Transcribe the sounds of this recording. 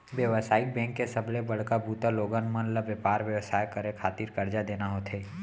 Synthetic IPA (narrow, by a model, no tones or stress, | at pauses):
ʋjəʋəsaːɪk̚bɛ̃ːŋkːesəblebɐɽ̤kabʱuːt̪aloːɡənmənləbjəpaːɾʋjəʋsaːjkəɾekʰaːt̪iːɾkɐɾd͡ʒad̪eːnaɦot̪ʰeː